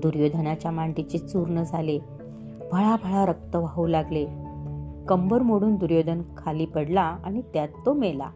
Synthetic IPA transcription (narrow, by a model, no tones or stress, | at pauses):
d̪uɾjod̪ʱənat͡ɕjamaɳʈit͡ɕit͡suɾɳəd͡zʱale | bʱəɭabʱəɭaɾək̚t̪əʋaɦulaɡle | kəmbəɾmoɽuːnd̪uɾjod̪ʱənkʰaliːpəɽlaa̰ɽ̃it̪jat̪ːomela̰